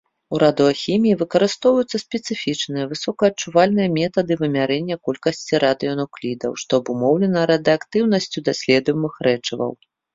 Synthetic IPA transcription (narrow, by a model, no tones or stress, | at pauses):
uɾad̪ɨɔxʲimʲijivɨkɐɾɨst̪ɔwvɐjut̪sːɐsʲpʲɛt̪sɨfʲit͡ʂnɨjɐvɨsɔkɐɐt͡ʂːuvalʲnɨjɐmʲɛt̪ɐd̪ɨvɨmʲaɾɛnʲːɐkɔlʲkɐsʲt͡sʲiɾad̪ɨɔnɔklʲid̪ɐ̰wʂt̪ɔɐbumɔwlʲɛnɐɾɐd̪ɨakt̪ɨwn̪ɐsʲt͡sʲud̪asʲlʲɛd̪ujmɨxɾɛt͡ʂɐvɐ̰w